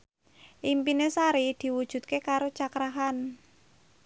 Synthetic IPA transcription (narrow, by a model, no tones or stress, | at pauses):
ʔimpinesaɾid̪̥i̤wud̥ʒ̥ṳt̪̚kekaɾot͡ʃakɾaɦan